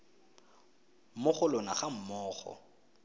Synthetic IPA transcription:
mʊχʊlɔnaχam̩mɔːχɔ̰

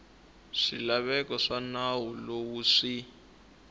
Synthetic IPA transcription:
ʂilaβɛkɔʂanawulowuʂi

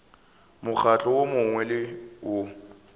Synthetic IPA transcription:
mʊk͡xʰat͡ɬʼɔwomʊŋwɛlɪʊ

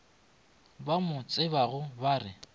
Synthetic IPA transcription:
bamʊt͡sʼɪbaɣʊbaːrɪ

